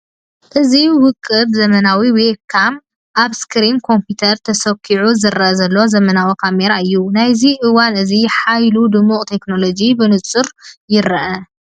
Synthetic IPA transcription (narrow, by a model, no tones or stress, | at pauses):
ʔɨziwʊkʼːɨbzɐmɐnawiwekʰːam | ʔaβskʰɾimkʰo̞mpit̪ʰɐɾt̪ʰɐsɐkʰːiʕuzɨɾʔɐzɐlːo̞zɐmɐnawikʰame̞ɾaɨjːunajziʔɨwanɨziħajlud̪ɨmːuqʼt̪ʰe̞kno̞lo̞d͡ʒibɨnɨt͡sʼɨɾjɪɾɐʔɐ